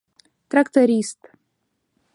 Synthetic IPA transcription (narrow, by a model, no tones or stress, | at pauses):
t̪rakt̪oɾʲist̪